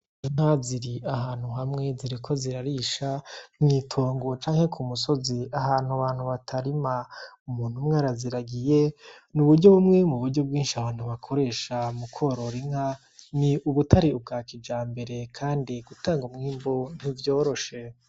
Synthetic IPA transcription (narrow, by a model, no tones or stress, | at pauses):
iŋ̥haziɾiaɦaːn̥huɦamŋe̞ziɾikʰo̞ziɾaɾiʃamŋiːtʰo̞ːŋɡot͡ʃaːŋhe̞kʰumuso̞ziaɦaːn̥huβaːn̥huβatʰaɾimaumuːn̥humŋaːɾaziɾaɡije̞ | nuβuɾɟo̞βumŋemuβuɾɟo̞b̚ɡiːnʃiahaːn̥huβakʰo̞ɾe̞ːʃamukʰo̞ɾo̞ɾiŋ̥a | niuβutaɾiub̚ɡaːkid͡ʒaːmbe̞ɾe̞kʰaːndiɡutaːŋɡumŋiːmbon̥ivjo̞ːɾo̞ʃe̞